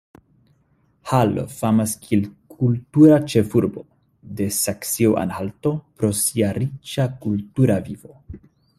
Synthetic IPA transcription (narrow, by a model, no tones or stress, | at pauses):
halo̰famaskielkʰultuɾat͡ʃe̞fuɾbo̞ | de̞saksioʔa̰nhalto̞pɾo̞siaɾit͡ʃakultuɾavivo̞